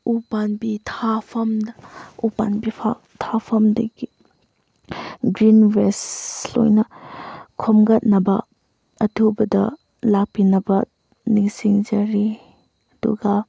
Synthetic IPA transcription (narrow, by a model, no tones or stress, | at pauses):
upanbitʰapʰɐmdɐupanbipʰa | tʰapʰɐmdɐ̰ɡi | ɡɾinbeslo̰jnɐkʰomɡɐt̚nɐbɐ | ɐtʰubɐdɐ̰ | lapinɐbɐ | niŋsiŋd͡ʒɐɾi | ɐdṵɡɐ